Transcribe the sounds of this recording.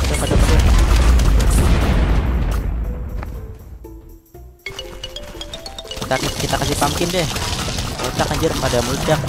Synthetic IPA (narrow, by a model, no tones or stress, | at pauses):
dapadamadu | kit̪akkit̪akasɪhpamkɪndɛh | ot̪akaɲd͡ʒɪrmadamut͡ʃak